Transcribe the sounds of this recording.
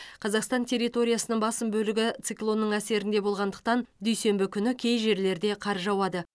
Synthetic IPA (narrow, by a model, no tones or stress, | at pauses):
qʰɑzɑqst̪ɑnt̪ʲʰe̞ɾʲːijt̪o̞ɾʲijasənəɴbɑsəmbɵlɪɡʲɪt̪sɨklˠo̞nːəɴæse̞ɾɪnd̪e̞bo̞lˠʁɑnd̪əq̚t̪ɑnd̪ʏjse̞mbɪkʲʰʏnɪkʲʰe̞jʒe̞ɾle̞ɾd̪e̞qʰɑɾʒɑwɑd̪ə